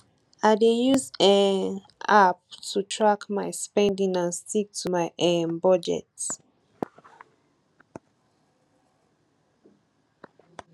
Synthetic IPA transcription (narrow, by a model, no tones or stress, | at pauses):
adejuzãn | ap̚tʰutʰɹakmaɪspɛ̃ndĩŋãnstik̚tʰumaɪʔɛ̃nbɔd͡ʒɛ̰t